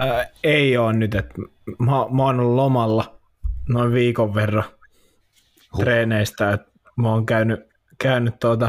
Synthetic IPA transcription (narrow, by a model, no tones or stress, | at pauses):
eijoːnnyt̪et̪ | momoːnolulomɑlːɑ | noiʋʋiːkoʋʋerːɑ | t̪reːneist̪ɑet̪ | moːŋkæyny | kæynyt̪t̪uot̪ɑ